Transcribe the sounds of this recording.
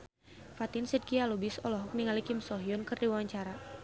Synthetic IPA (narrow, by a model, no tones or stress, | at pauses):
fat̪ɪnsɛd̚kialubɪsɔlɔɦɔk̚niŋalikɪmsɔɦiɔnkɨrdiwawaɲt͡ʃaɾa